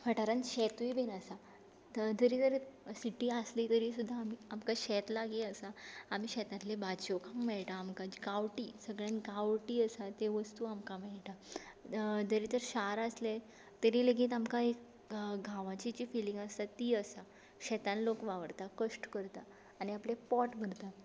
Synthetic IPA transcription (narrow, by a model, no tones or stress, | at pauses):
faʈaɾanɕɛt̪ibenasa | d͡zəɾiːt̪əɾsiʈiːaslit̪əɾisud̪ʱːaːmiːamkaɕɛt̪laɡiəsaːm̤iːɕɛt̪ãt̪lebat͡ɕokãmmɛɭʈaːmkat͡ɕkaʋʈiːsəɡɭjãnkaʋʈiːəsat̪eʋəst̪uamkamɛɭʈa | d͡zəɾiːt̪əɾɕaɾasle | t̪əɾiːləɡiːt̪amkaek | ɡʱãʋãt͡ɕit͡ɕiːfiliŋɡast̪at̪iːəsa | ɕɛt̪ãnlokʋaʋəɽt̪akəʂʈkəɾt̪aː | niaplepɔʈbʱəɾt̪a